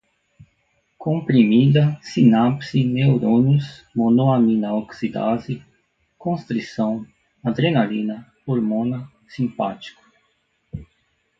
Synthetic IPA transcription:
kõmpɾimid̪ɐsinapsinewɾõnus | monoamĩnɐoksid̪a̰zi | kõst̪ɾisɐ̃w̃ | ad̪ɾenalĩnɐ | oɾmõnɐ | sĩmpa̰t͡ʃi̥kʊ̥

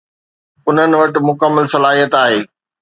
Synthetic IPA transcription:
ʊn̤ənɪ̆ʋɐʈɪ̆mʊkəmːəlsɐlaːɦijət̪aːɦeː

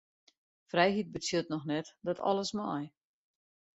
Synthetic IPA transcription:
frɛjɦit̚bət͡sitnɔxnɛtdɔtʰɔ̰lˠəsmɔj

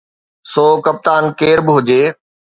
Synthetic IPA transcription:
soːkɐp̚t̪aːnkeːɾbɪɦʊd͡ʑeː

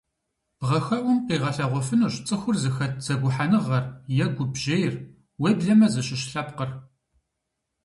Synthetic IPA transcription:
bʁɐxɐʔʷʊmqiːʁɐɬɐʁʷɔfɨnɨɕt͡sʼɨxʷʊrzɨxɐt̚ʰz̥ɐɡʷʊħanɨʁɐrjɛɡʷʊbʒejɪr | weːbɮɐmɐzɨɕɪɕɬɐpqər

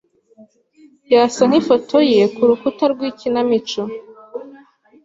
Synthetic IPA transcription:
jaːsan̥hifotʰojekuɾukutaɾɡwiːcinamit͡ʃo

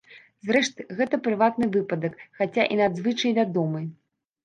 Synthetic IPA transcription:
zrɛʂt̪ɨɣɛt̪ɐpɾɨvat̪̚nɨvɨpɐd̪ɐkxat͡sʲaʔinad̪zvɨt͡ʂɐjvʲad̪ɔmɨ

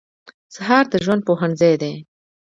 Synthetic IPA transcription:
saɦɑɾd̪əʒwand̪̚poɦaɳzajd̪e

